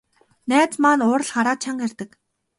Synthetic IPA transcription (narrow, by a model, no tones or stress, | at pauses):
næːt͡smanʊːr̆ɮχaɾaːt̪̚t͡ɕʰaɴɡerʲt̪ə̆k